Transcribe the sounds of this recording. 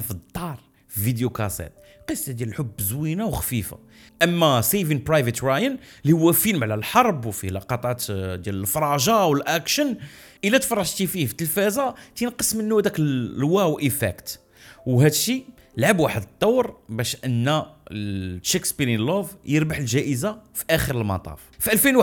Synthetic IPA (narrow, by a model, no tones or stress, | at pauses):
fəd̪ˤːɑɾˤ | vid̪jukɑsɛ̰t̪ | qəsˤɑd̪jæləlħʊbːzwinawxfifa̰ | ʔəmːæsevinpɾɑjvət̪ɾɑjənlihʊwːæfilmʕlælħɑɾˤbwfilɑqɑt̪ˤɑt̪d̪jæləlfɾˤɑʒɑwəlʔækʃən | ʔəlæt̪fɑrˤːɑʒt̪ififə̥t̪ːəlfæzat̪ənqəsmənːuhæd̪æklwæwʔəfæ̰kt̪ | whæd̪ʃi | əlʕabwaħəd̪ət̪ˤːɑwːɾbæʃʔənːæ | ʃekspiɾinlovjəɾbaħəlʒæʔəzafiʔæxəɾəlmɑ̰t̪ˤɑ̰ffiʔælfinw